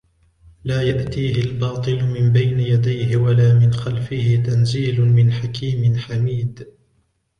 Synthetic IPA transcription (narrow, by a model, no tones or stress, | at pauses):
laːjaʔt̪iːhɪlbɑːt̪ˤɨlʊmɪmbajnɪjad̪ajɦɪwalaːmɪnxalfɪhɪt̪anziːlʊmɪnħakiːmɪnħamiːd̪